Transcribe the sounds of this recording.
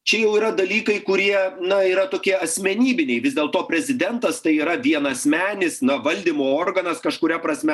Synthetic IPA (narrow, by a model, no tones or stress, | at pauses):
t͡ʃʲɛjɛʊiːɾɐd̪ɐlʲiːkɐɪkʊɾʲiɛnɐiːɾɐt̪oːkʲiɛɐsʲmʲɛnʲiːbʲɪnʲɛɪʋʲɪzd̪ʲeːlˠt̪oːpʲɾʲɛzʲɪd̪ʲɛnt̪ɐst̪ɐɪiːɾɐʋʲiɛnɐsʲmʲæːnʲɪsnɐʋɐlʲd̪ʲimoːoːrɡɐnɐskɐʃkʊɾʲɛpɾɐsʲmʲɛ